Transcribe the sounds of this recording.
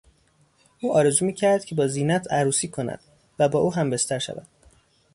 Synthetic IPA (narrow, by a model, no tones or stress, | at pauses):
ʔuːɒːɾezuːmiːcʰæɾd̪̥̚cʰe̞bɒːziːnæt̪ʰæɾuːsiːkʰo̞næ̰d̪̥ | væbɒːʔuːɦæmbe̞st̪ʰæɾʃæ̰væ̰d̪̥